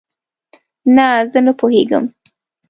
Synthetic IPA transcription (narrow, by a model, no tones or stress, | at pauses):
nazənəpoheɡə̰m